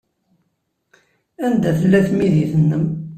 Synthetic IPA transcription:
ænd̪æθəlːæθmiðiθənːəm

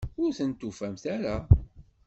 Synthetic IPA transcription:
ʊɾθənt̪ːufæmθaɾa

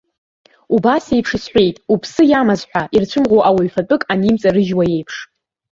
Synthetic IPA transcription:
ubasejpʰʂɨsħʷe̞jtʼupʰsɨjamazħʷᶣaʔirt͡ɕʷʰʊmʁowʔawaɥfat͡pʼɨkʼanimt͡sʼaɾɨʒwaje̞jpʰʂ

